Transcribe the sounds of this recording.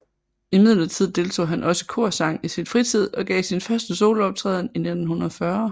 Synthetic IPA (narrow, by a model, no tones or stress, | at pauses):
imið̞̰ˠlɐt͡sʰið̞̰ˠd̥e̝lt͡sʰo̝̰ːɦænʔɒ̽sə̥kʰo̝ɐ̰sɑ̈ŋ̰isinfʁit͡sʰið̞̰ˠɒ̽ɡ̥ɛ̰ːsinfɶɐsd̥əso̝ːləɒ̽b̥̚t͡sʰʁɛːð̞̰ˠn̩ine̝d̥n̩hunɐðˠɒfɶɐ